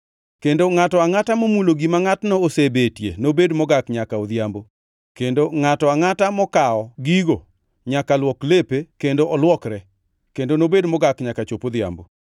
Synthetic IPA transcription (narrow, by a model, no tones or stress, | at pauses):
kendoŋatɔaŋatamomuloɡimaŋatnɔosebetjḛnobedmɔɡakɲakaod̪jambo | kendoŋatɔaŋatamɔkaɔɡiɡo | ɲakalwɔklepekendoʔɔlwɔkɾɛ | kendonobedmɔɡakɲakat͡ʃopod̪ja̰mbo